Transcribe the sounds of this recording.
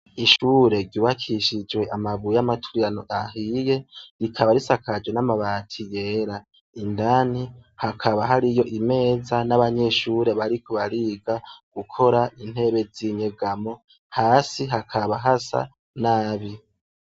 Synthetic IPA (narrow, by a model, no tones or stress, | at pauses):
iʃuːɾe̞ɟuːβakʰiʃid͡ʒwe̞ʔamaβujamatʰuɾijanoʔaɦije̞ɾikʰaβaɾisakʰad͡ʒwenamaβaːtʰije̞ɾa | indanihakʰaβaɦaɾijo̞ʔime̞ːzanaβaɲe̞ʃuːɾe̞βaɾikʰoβaɾiːɡaɡ̥ukʰo̞ɾaʔin̥he̞βe̞ziɲeɡamo̞ | haːsiɦakʰaβaɦasa̰ | naːβi